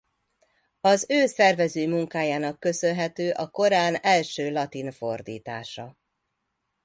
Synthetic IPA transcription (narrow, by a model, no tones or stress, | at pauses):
ɒzøːsɛrvɛzøːmuŋkaːjaːnɒkːø̞sønɦɛt̪øːʔɒko̞ɾaːnɛlʃøːlɒt̪info̞rd̪ḭːt̪a̰ːʃɒ